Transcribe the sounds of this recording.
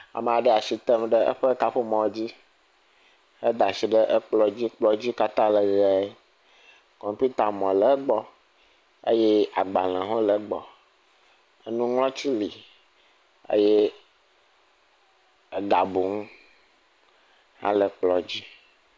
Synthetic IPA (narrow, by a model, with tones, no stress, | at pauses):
a̰˨me˨a˨ɖə˦a˨si˨t̪ə˦mɖə˦ʔə̰˦ɸe˦ka˨ɸə˦mɔ̃˨wd͡ʑi˦ | ə˦d̪a˨si˨ɖə˦ʔə˦k͡plɔ˦d͡ʑi˦k͡plɔ˦d͡ʑi˦ka˦t̪ã˦lə˨ɣɛ˨˦ | kɔ˨mpi˦t̪a˨mɔ̃˨lə˨˦ɡ͡bɔ˦ | ḛ˦je˦a˨ɡ͡ba˨lɛ̃˨ɦo˦lə˨˦ɡ͡bɔ˨ | ə˦nũ˦ŋlɔ̃˦t͡ɕi˦li˨ | ḛ˦je˦ | ə˦ɡa˨bu˨ŋũ˦ | hã̰˦lə˨k͡plɔ˨d͡ʑi˦